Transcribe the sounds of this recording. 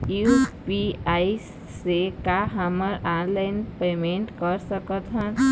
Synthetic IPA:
jupiajs | sekaɦəməɾanlajnpemeɳʈkʌɾsəkət̪ʰən

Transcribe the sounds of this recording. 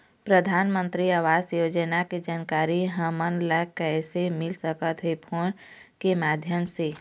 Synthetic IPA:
pɾəd̪ʱaːnmə̃nt̪ɾiaːʋaːsjoːd͡ʒənaked͡ʒaːnkaːɾiɦəmənləkɛːsemɪlsəkət̪ɦepʰoɽ̃ | kemaːd̪ʱjəmse

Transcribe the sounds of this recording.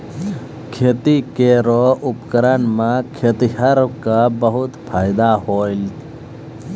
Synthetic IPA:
kʰeːt̪ikeɾoʊpkəɾənmãkʰeːt̪iɦɐɾkabɐɦʊt̪pʰaːjd̪ahoːil

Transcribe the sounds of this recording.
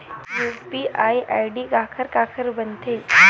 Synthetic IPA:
juːspiʔaːiʔaːjɖikaːkʰəɾkaːkʰəɾbənt̪ʰeː

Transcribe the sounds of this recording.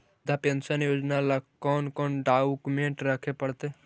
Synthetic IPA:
d̪ʱapə̃nsənjoːd͡ʒnalakɔːnkɔːnɖaːukumẽːɳʈɾəkʰepəɽt̪e

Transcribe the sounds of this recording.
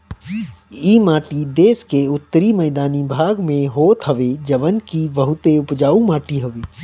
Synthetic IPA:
iːmaːʈid̪eːskeʊt̪ːəɾimɛɪd̪aːnibʱaːɡmẽɦoːt̪ɦɐʋed͡ʒɐʋənkiʋɐɦʊt̪eʊpd͡ʒaːũmaːʈiɦəʋeː

